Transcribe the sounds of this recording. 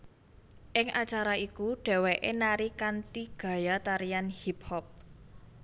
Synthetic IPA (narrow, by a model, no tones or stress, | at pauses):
ʔɪŋat͡ʃaɾaikuɖ̥ɛ̤weʔenaɾikant̪iɡ̥a̤jat̪aɾijanhiphɔp̚